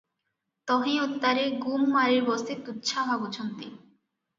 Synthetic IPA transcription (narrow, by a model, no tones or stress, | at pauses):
t̪ɔɦĩut̪ːaɾeɡumːaɾiɾbɔst̪et̪utːʃʰaɦaɡut͡ɕʰont̪i